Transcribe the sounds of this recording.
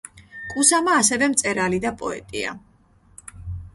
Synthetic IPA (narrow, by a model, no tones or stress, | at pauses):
kʼusamaːsɛvɛmt̪sʼɛɾalid̪apʼɔɛ̰t̪ʼia̰